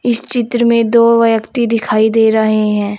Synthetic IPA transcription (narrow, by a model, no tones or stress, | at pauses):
ɪst͡ʃɪt̪ɾəmẽd̪oːʋɐjəkt̪id̪ɪkʰaːid̪eːɾɐɦeɦɛ̃ː